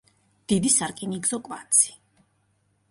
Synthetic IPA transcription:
d̪̥id̪isaɾkʼiniɡzɔkʼvant̪sʰi̥

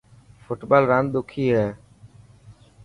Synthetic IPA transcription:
fʊʈbaːlɾãːnɗ̪ʊkʰiːɦɛː

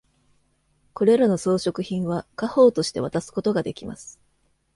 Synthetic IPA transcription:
ko̞ɾe̞ɾano̞so̞ːɕo̞kɯ̟çĩɰ̃βakaho̞ːt̪o̞ɕi̥t̪e̞β̞at̪asɨ̥ko̞t̪o̞ɡad̪e̞kʲima̰sɨ̥

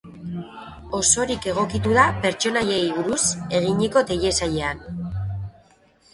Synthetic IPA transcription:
o̞so̞ɾike̞ɣ̞o̞kit̪uðape̞ɾt͡ʃo̞naje̞jβuɾuse̞ɣiɲeko̞t̪e̞ʎe̞saʎe̞an

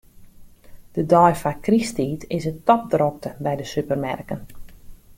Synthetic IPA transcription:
d̥ədɔjfakristiːtʰɪsətɔp̚drok̚təbɛjdəsypərmɛ̰rkən

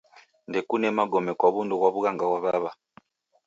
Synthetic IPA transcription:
ndɛkunɛmaɡɔmɛkwaβundukwaβuɣaŋɡawaβaβa

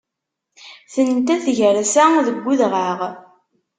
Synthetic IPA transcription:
θənt̪æθʝəɾsæðəɡʷːuðʁəʁ

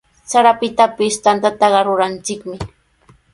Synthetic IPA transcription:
saɾapɪt̪apɪst̪ant̪at̪ɑɢɑɾʊɾant͡ʃɪkmɪ

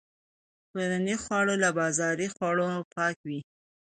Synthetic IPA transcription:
toɾanixwɑɽolabɑzɑɾixwɑɽopɑkwi

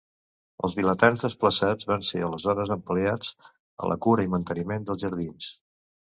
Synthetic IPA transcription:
ə̰lˠzβilət̪anzðəspləsad͡zβanseələzɔɾəzəmpliad͡z | ə̰lʔə̰kuɾəimənt̪ənimend̪əlˠzʒəɾðins

